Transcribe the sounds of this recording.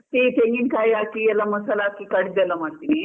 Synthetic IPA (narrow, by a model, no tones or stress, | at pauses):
t̪iʈeŋɡinkajakiɛlːaməsalaːkikɐɽd̪elamaɽt̪ini